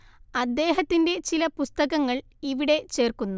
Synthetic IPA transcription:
ɐd̪ːe̞ːɦɐt̪ːinde̞t͡ɕilɐpust̪ɐɣɐŋːɐɭ | iʋiɽe̞t͡ɕe̞ːrkunːu

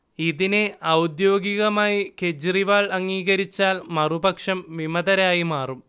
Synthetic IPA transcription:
iðine̞ɐwd̪jo̞ːɡiɣɐmaːjiked͡ʑriʋaːɭɐŋːiːɣɐɾit͡ɕːaːlmɐrubɐkʂɐmʋimɐðɐɾaːjimaːrum

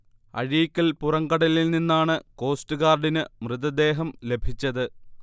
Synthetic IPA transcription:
ɐ̰ɻijikʲːɐlpurɐŋkɐɽɐlilninːaːɳɨko̞ːstɨɣaːrɖinɨmrɨðɐd̪e̞ːɦɐmle̞bʱit͡ɕːɐðɨ

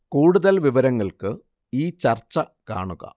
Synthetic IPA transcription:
kuːɽuðɐlʋiʋɐɾɐŋːɐɭkɨ | iːt͡ɕɐrt͡ɕːɐ | ka̰ːɳuɣɐ̰

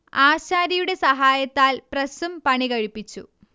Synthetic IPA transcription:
aːɕaːɾɐjuɽe̞sɐɦaːjɐt̪ːaːlprɐsumpɐɳikɐɻipːit͡ɕːṵ

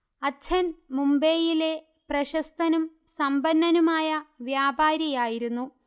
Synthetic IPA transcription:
ɐt͡ɕʰɐnmumbe̞ːjile̞ | prɐɕɐst̪ɐnum | sɐmbɐnːɐnumaːjɐʋjaːbaːɾjɐjaːjiɾunːu

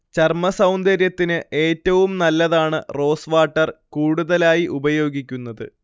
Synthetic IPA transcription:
t͡ɕɐrmɐsɐwnd̪ɐɾjɐt̪ːinɨʔe̞ːtːɐʋumnɐlːɐðaːɳɨro̞ːsʋaːʈːɐrkuːɽuðɐlaːjiʔubɐjo̞ːɡikʲːunːɐðɨ̰

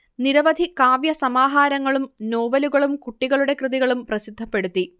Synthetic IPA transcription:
niɾɐʋɐd̪ʱikaːʋjɐsɐmaːɦaːɾɐŋːɐɭumno̞ːʋɐluɣɐɭumkuʈːiɣɐɭuɽe̞krɨðiɣɐɭumprɐsid̪ʱːɐpːe̞ɽut̪ːi

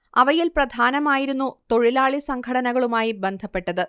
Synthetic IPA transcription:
ɐʋɐjilprɐd̪ʱaːnɐmaːjiɾunːut̪o̞ɻilaːɭisɐŋkʰɐɽɐnɐɣɐɭumaːjibe̞nd̪ʱɐpːe̞ʈːɐðɨ

